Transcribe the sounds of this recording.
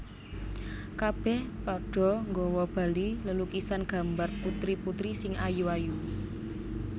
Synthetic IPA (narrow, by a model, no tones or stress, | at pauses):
kab̥ɛhpɔɖ̥ɔ̤ŋɡɔwɔb̥a̤liləlukisanɡ̥ä̤mbarput̪ɾiput̪ɾisɪŋajuaju